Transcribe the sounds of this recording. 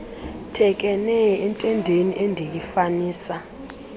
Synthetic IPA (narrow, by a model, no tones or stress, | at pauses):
tʰɛk̬ʼɛnɛɛntʼɛndʱeniʔendʱijifaniːsa